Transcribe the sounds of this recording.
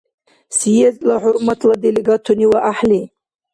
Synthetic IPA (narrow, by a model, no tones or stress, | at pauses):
sijezlaħʊɾmat̪ʰlad̪eleɡat̪ʰuniwaʔaħli